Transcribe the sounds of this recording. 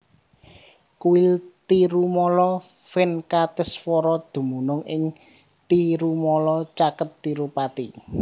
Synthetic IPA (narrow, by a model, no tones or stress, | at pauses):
kuɪlt̪iɾumɔlɔfɪnkat̪ɪsfɔɾɔd̪̥ṳmunʊŋɪŋ | t̪iɾumɔlɔt͡ʃakət̪ːiɾupat̪i